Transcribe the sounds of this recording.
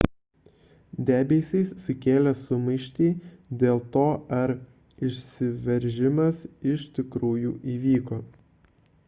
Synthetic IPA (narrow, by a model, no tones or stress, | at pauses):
d̪ʲæːbʲeːsʲɛɪsːʊkʲeːlʲɛsʊmɐɪʃʲt̪ʲiːd̪ʲeːlˠt̪oːɐɾ | ɪʃʲsʲɪʋʲɛɾʲʒʲɪmɐsɪʃt̪ʲɪkɾuːjuːʔiːʋʲiːkoː